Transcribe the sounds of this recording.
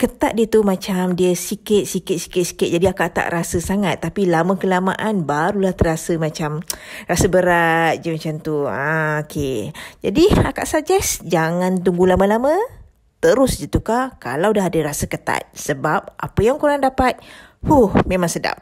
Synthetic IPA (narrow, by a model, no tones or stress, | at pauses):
kət̪at̪̚diət̪umat͡ʃamdiəsikɪt̪̚sikɪt̪̚si̥kɪt̪̚si̥kɪt̪̚d͡ʒadiaka̰ʔt̪a̰ʔɾasəsaŋat̪ːapilaməkəlama̰ʔanbaɾulaht̪ərasəmat͡ʃamrasəbəɾat̪̚d͡ʒəmat͡ʃamt̪uaokʰed͡ʒa̰diaka̰ʔsad͡ʒɛsd͡ʒaŋant̪̬uŋɡulaməlamə | t̪əɾʊsd͡ʒət̪ukaka̰lawdaɦadəɾasəkət̪a̰t̪̚səbap̚ʔa̰pəjaŋkuɾaŋdapat̪̚ | huhmemãŋsəda̰p̚